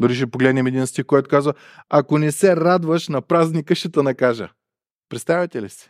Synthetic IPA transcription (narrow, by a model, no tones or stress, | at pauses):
d̪oɾiʃ̬ɛpoɡlɛd̪nɛmɛd̪inst̪ixkɔjt̪ʊkazvə | akonɛsɛɾad̪vəʃnɐpɾaznikəʃt̪ɛt̪ɐnɐkaʒə̰ | pɾɛt̪st̪avʲit̪ɛlisi̥